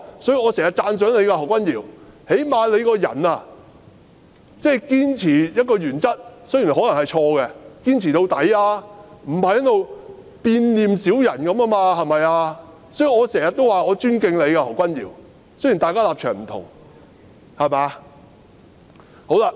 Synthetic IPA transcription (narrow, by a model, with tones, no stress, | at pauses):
sɔː˨˥ji˧ŋɔː˨˧sɛː˨˩ŋjɐ˨t̚t͡saː˧ns̬œː˨˥ŋle˨˧jka˧hɐ˨˩wkʷɐ˥njiː˨˩whe˨˥jmaː˨˧le˨˧jkɔː˧jɐ̰˨˩na˧ | t͡sɛː˥˩kiː˥nt͡sʰiː˨˩jɐ˥t̚kɔː˧jyː˨˩nt͡sɐ˥t̚so˥ji˨˩nɦɔː˨˥lɐ˨˩ŋhɐ˨jt͡ʃʰɔː˧kɛ˧kiː˥nt͡sʰiː˨˩t̪o˧wt̪ɐ˨˥jaː˧m̩˨˩hɐ˨jɐ˥lo˨˧w | piː˧nliː˨msiː˨˥wjɐ˨˩nkɐ˨˥ma˥maː˧hɐ˨jmɐ˨jaː˧ | sɔ˨˥ji˨˧ŋɔː˨˧sɛː˨˩ŋjɐ˨t̪̚ːo˥waː˨ɔː˨˧t͡ʃyː˥nkɪ˧ŋle˨˧jkaː˧hɐ˨˩wkʷɐ˥njiː˨˩w | so˥ɥji˨˩nt̪aː˨˧kaː˥laː˨p̚t͡ʃʰœː˨˩ŋm̩˨˩t̪ʰʊ̰˨˩ŋ | hɐ˨maː˨˧ | ho˨˥wla˧